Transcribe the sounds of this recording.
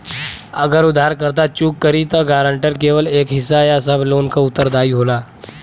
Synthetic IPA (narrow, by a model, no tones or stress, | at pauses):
əɡəɾud̪ʱaɾkəɾt̪at͡ɕuːkːəɾiːt̪əɡaɾəɳʈəɾkeʋəlekɦisajasəbʱlonkaut̪ːəɾd̪aiɦola